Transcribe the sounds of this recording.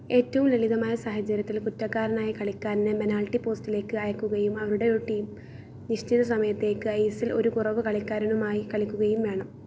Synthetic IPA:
e̞ːtːɐʋumleɭiðɐmaːjɐsaːhɐt͡ɕːɐɾjɐt̪ːilkutːɐkːaːɾɐnaːjikɐɭikʲːaːɾnɨbenaːlʈːipo̞ːstile̞ːkːɨɐjɐkːuɣɐjumɐʋɐɾuɽe̞oɾuʈːiːm | niɕt͡ɕiðɐs̬ɐmɐjɐt̪ːe̞ːkːɨejsilo̞ɾukurɐʋɨkɐɭikʲːaːɾɐnumaːjikɐɭikʲːuɣɐjumʋe̞ːɳɐm

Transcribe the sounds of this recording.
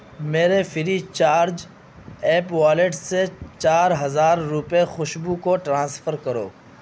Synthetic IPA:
meːɾefʰɪɾit͡ʃaːɾd͡ʒ | eːpʋaːleʈset͡ʃaːɾɦəzaːɾːʊpexʊʃbukoʈɾãːsfəɾkəɾo̰ː

